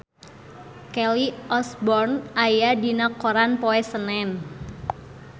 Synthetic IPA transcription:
kɛliʔɔsbɔrnʔajadinakːoɾanpoɛsənɛn

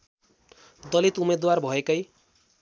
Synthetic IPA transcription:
d̪ʌlit̪umed̪warbʱʌekʌj

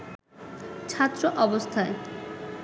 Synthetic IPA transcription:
t͡ɕʰat̪ːɾoʔɔbost̪ʰae

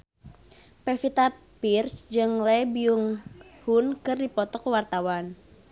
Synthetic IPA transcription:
pɛfit̪a | pirsd͡ʒɨŋlɛbiuŋhunkɨrdipɔt̪ɔkəwart̪awan

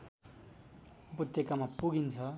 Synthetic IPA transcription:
put̪jʌkamapuɡint͡sʰʌ

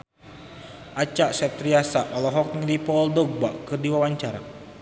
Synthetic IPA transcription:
ʔat͡ʃaʔsɛt̪riasaɔlɔɦɔk̚nəŋdipɔldɔɡ̚ba̰ʔkɨrdiwawaɲt͡ʃaɾa̰

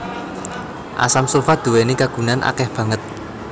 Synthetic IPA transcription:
ʔa̰samsufad̪̥ṳwenikaɡ̥ṳnanʔa̰kɛhb̥ä̤ŋət̪̚

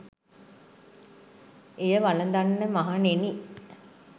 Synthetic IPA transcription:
ejəʋalənd̪anːəmaɦaneni

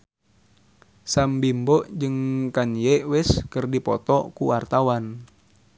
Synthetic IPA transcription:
sambimbɔʔd͡ʒɨŋkanjɛwɪskɨrdipɔt̪ɔkuwart̪awan

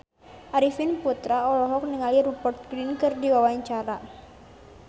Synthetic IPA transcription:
ʔaɾifinput̪ɾaɔlɔɦɔk̚niŋaliɾupɔrt̪̚ɡɾinkɨrdiwawaɲt͡ʃaɾa

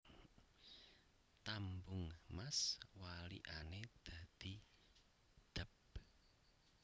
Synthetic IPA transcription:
t̪ambʊŋmaswalḭʔaned̪̥a̤d̪̥i̤ | d̪̥ə̤p̚

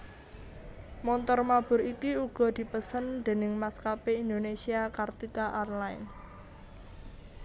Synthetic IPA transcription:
mɔnt̪ɔrmab̥ʊ̤ɾikiuɡ̥ɔ̤d̪̥i̤pəsənd̪̥e̤nɪŋmaskapeind̪onesiakart̪ikaʔarlaɪ̰ns

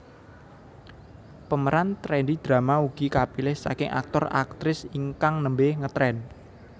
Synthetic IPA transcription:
pəməɾant̪ɾɛndid̪̥ɾa̤mauɡ̥ikapilɪhsa̰kɪŋʔa̰k̚t̪ɔra̰k̚t̪ɾɪsiŋkaŋnəmbehŋət̪ɾɛn

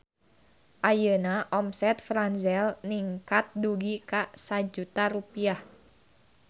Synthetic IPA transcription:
ʔajənaʔɔmsɛt̪̚fɾanzɛlniŋkat̪̚duɡikasad͡ʒut̪aɾupiah

